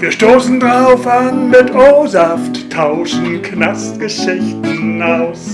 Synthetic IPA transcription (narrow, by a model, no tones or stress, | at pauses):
viːɐʃtoːsn̩daʁaʊfʔanmɪtʔoːzaftʰːaʊʃn̩knast̚ɡ̥əʃɪçtn̩aʊs